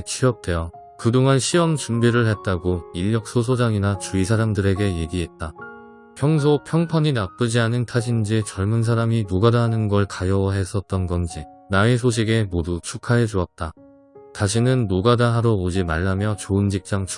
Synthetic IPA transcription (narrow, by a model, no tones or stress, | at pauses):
t͡ɕʰiʌp̚tʰe̞jʌ | kɯdoŋanɕʰiwʌmt͡ɕumbiɾɯɭɦe̞t̚t͈aɡoiʎːʌk̚s͈os̬ʰod͡ʑaŋinat͡ɕuisʰaɾamdɯɾe̞ɡe̞je̞ɡiɦe̞t̚t͈a | pʰjʌŋs̬ʰopʰjʌŋpʰaɲinap͈ɯd͡ʑianɯntʰaɕʰind͡ʑit͡ɕʌɭmɯns̬ʰaɾaminoɡadaɦanɯnɡʌɭkajʌwʌɦe̞s͈ʌt̚t͈ʌnɡʌnd͡ʑi | naesʰoɕ̬ʰiɡe̞modut͡ɕʰukʰaɦed͡ʑoʌt̚t͈a | taɕ̬ʰinɯnːoɡadaɦaɾoːd͡ʑimaɭːamjʌt͡ɕoɯnd͡ʑik̚t͡ɕ͈aŋt͡ɕʰ